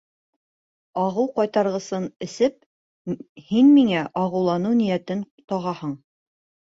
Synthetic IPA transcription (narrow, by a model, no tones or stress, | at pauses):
ɑʁɤwqɑjt̪ɑɾʁɤ̆sɤnɘ̆sɘp̚ | hinmiŋæʔɑʁɤ̆wlˠɑnɤwnĭjæt̪ɘnt̪ɑʁɑhɤɴ